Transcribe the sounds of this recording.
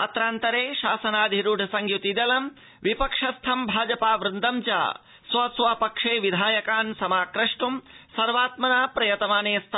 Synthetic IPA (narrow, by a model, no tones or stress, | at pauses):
ɐt̪ɾaːnt̪ɐɾeːʃaːsɐnaːd̪ʱiɾuɖʱɐsɐŋɡjut̪id̪ɐlɐm | ʋipɐkʂɐst̪ʰɐmbʱaːd͡ʒɐpaːʋɾɪnd̪ɐmt͡ʃa̰ː | sʋɐsʋapɐkʂeːʋid̪ʱaːjɐkaːnsɐmaːkɾɐʂʈumsɐɾʋaːt̪mɐnaːpɾɐjɐt̪ɐmaːneːst̪ʰ